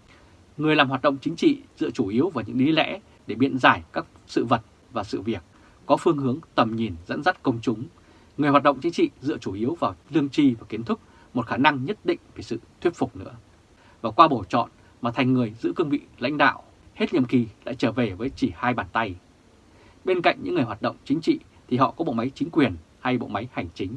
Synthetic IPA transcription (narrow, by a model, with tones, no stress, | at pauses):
ŋɨ˨˩əjlaː˨˩mɦwaː˨˩t̚ɗə̰˧˨ŋ͡mt͡ɕï˨˦ŋ̟t͡ɕḭ˧˨zɨ̰˧ət͡ɕu˧˩ʔi˨˦əwvaː˨˩ɲɨ̰˧˥ŋɗi˨˦lɛ̰˧˥ | ɗe˧˩ɓḭ˧˨ənzaː˧˩jkaː˦˥k̚sɨ̰˧˨və˨˩t̚ | vaː˨˩sɨ̰˧˨vi˨˩ək̚ː | ɔ˨˦fɨ˧əŋɦɨ˨˦əŋt̪ə˨˩mɲi˨˩nzə̰˧˥nza˦˥t̚kə˧wŋ͡mt͡ɕʊ˨˦ŋ͡m | ŋɨ˨˩jhwaː˨˩ɗə̰˧˨ŋ͡mt͡ɕï˨˦ŋ̟t͡ɕḭ˧˨zɨ̰˧˨ət͡ɕu˧˩ʔi˨˦əwvaː˨˩wlɨ˧əŋt͡ɕi˧vaː˨˩ki˨˦ənt̪ʰɨ˦˥k̚ | mo˨˩t̚xaː˧˩na˧ŋɲə˦˥t̚ɗḭ̈˧˨ŋ̟vi˨˩sɨ̰˧˨t̪ʰwi˦˥t̚fʊ˨˩k͡p̚nɨ̰˧˥ə | vaː˨˩kwaː˧ɓo˧˩t͡ɕɔ̰˧˨n | maː˨˩t̪ʰjŋ̟ːɨ˨˩əjzɨ̰˧˥kɨ˧əŋvḭ˧˨la̰˧˥jŋ̟ɗa̰ː˧˨w | he˦˥t̚ɲə̰˧˨mki˨˩la̰ː˧˥jt͡ɕəː˧˩ve˨˩vəː˨˦jt͡ɕi˧˩haː˧jɓaː˨˩nt̪a˧j | ɓe˧nka̰˧˨jŋ̟ɲɨ̰˧˥ŋːɨ˨˩əjɦwaː˨˩t̚ɗə̰˧˨wŋ͡mt͡ɕï˨˦ŋ̟t͡ɕḭ˧˨ | t̪ʰi˨˩ɦɔ̰˧˨kɔ˨˦ɓo̰˧˨ma˨˦jt͡ɕï˨˦ŋ̟kwi˨˩ən | ha˧jɓo̰˧˨ma˨˦jha˨˩jŋ̟t͡ɕï˨˦ŋ̟